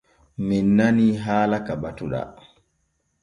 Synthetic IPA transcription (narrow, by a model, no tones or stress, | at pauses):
minːaniɦaːlakabatuɗa̰